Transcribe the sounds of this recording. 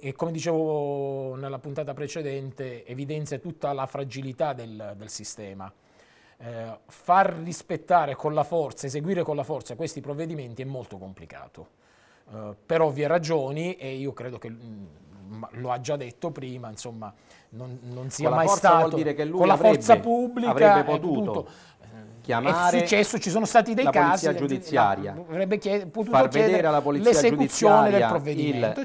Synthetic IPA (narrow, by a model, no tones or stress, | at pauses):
ekːomed̪it͡ʃeːvo | nelːapunt̪aːt̪apɾet͡ʃed̪ɛnt̪eevid̪ɛnt̪sjat̪ut̪ːalafɾad͡ʒilit̪ad̪eld̪elsist̪ɛːma̰ | farːispet̪ːaːɾekonlafɔrt̪saezeɡwiːɾekolafɔrt̪sakwest̪ipɾovːed̪iment̪iɛmːolt̪okomplika̰ːt̪o | peɾɔviɛrad͡ʒoːniʔeiːokɾeːd̪ok̟e | maload͡ʒːad̪ːet̪ːopɾiːmainsomːa | nonnonsiːamajst̪aːld̪iːɾekelːkolːafɔrt̪sapubːlivkɛaepot̪uːt̪ːuːt̪t̪o | kjamɛassut͡ʃːɛsːot͡ʃis̬oːnost̪aːt̪id̪ejkaːziad͡ʒud̪isːjaɾja̰avɾɛbːekjɛpot̪uatorkedɛːd̪eeɾɾealːapolileazekut̪sːjoːed̪elpɾovːed̪iment̪o